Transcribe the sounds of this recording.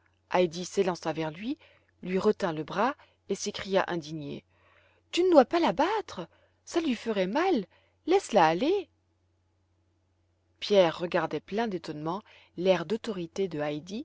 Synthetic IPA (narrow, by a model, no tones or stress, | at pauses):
ʔajd̪iselɑ̃savɛʁlɥi | lɥiʁət̪ɛ̃ləbʁa | esekχija̰ʔɛ̃d̪iɲḛ | t̪ynəd̪wapalabat̪χə | salɥifəʁɛmalː | ɛslaːle | pjɛʁːəɡaʁd̪ɛplɛ̃d̪et̪ɔnmɑ̃ | lɛʁd̪ot̪ɔʁit̪ed̪əajd̪i